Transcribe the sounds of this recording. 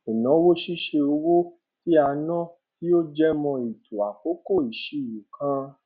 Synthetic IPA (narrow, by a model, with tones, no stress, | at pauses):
e˨nã˨˦wo˦ʃi˦ʃe˧o˧wo˦ | ti˦a˧nɔ̃˦ | ki˦o˦d͡ʒɛ˦mɔ̃˧i˨tʰu˨a˨ko˨˦ko˦˨i˨ʃi˨ju˨kʰã˧